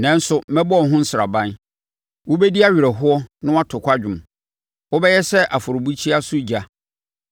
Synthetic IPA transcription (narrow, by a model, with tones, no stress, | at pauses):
nɛ̃˨n̩˦sʊ˨mɛ̃˦bɔ˦˨ɦʊ̃˦n̩˦sɪ˨ɾa̰˨bã˦n | wʊ˦be˦di˦a˦ɥi˨ɾɛ˨ɦʊ˦ɔ˦nʊ̃˦wa˦tʰʊ˨kʰʷa˦d͡ʑᶣʊ̃˨m | wʊ˦bɛ˦jɛ˦sɛ˦ʔa˨fʊ˨ɾʊ˨bu˦t͡ɕʰi˦a˦sʊ˦d͡ʑa˦